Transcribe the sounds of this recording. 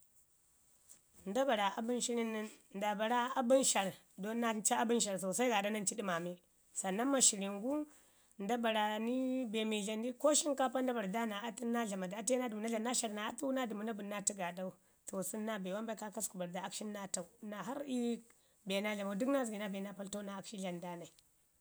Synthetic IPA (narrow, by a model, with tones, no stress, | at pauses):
nda˦ba˨ɾa˨a˨bu˦nʃi˦ɾi˦ni˦nnda˨ba˨ɾa˦a˦bu˦nʃa˨ɾ | do˦a˦t͡ʃa˦a˦bu˦nʃa˨ɾto˨sa˦i˦ɡa˨da˦na˦n˦t͡ʃi˦di˦ma˨mi˦ | sa˨nːa˦nma˨ʃi˨ɾi˨ŋɡu˦ | nda˦ba˨ɾa˨ni˦be˨mi˨ɮa˨ndi˦ko˦ʃi˦ŋka˦pa˦nda˦ba˨ɾda˦na˨a˦ti˦na˦ɮa˨ma˨da˨a˦ti˦na˦du˨mu˨na˦a˨na˦ʃa˨ɾna˨a˦tu˦na˦du˨mu˨na˦buː˨˦a˦ti˦ɡa˨da˦u˦ | to˨su˦nːa˦be˨wa˦mba˦i˦ka˦ka˦sku˨ba˨ɾda˨a˦kʃi˦nː˦a˦ta˨u˨˦na˨ɦa˦ɾi˦ | be˨na˦ɮa˨ma˨˦du˦kna˦zi˨ɡi˨na˦be˨na˦pa˦lto˦na˨˦kʃi˦ɮa˨nda˦na˨i˨